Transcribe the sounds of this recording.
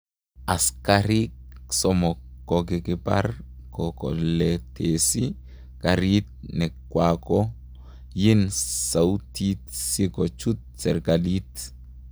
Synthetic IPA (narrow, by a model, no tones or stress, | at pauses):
askaɾiksɔmɔkːɔɡikiba̰ɾ | kɔkɔ̰lɛtesi | kaɾit̪̚nɛkːwakɔ | jinsawtit̪̚sikɔt͡ʃut̪̚sɛɾɡalit